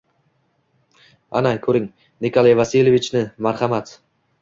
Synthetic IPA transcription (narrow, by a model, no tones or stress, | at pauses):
a̰nakʲʰɵɾɪŋ | nikʰolˠajvasilʲevɪt͡ʃnɪmaɾhamat̪